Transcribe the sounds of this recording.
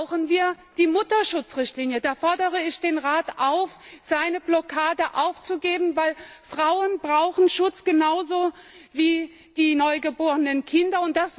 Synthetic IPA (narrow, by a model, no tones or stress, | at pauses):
ʊxnviːɐ | d̥iːmʊtɐʃʊt͡sʁɪçtliːnjədaːfɔɐdəʁəɪçd̥eːnʁaːtʔaʊfz̥aɪnəblɔkʰaːdəʔaʊft͡suɡeːbm̩vaɪlfʁ̥aʊənbʁaʊxn̩ʃʊt͡sɡ̥ənaʊzo | viː | d̥iːnɔʏɡəboːʁənənkʰɪndɐʊnt̚d̥as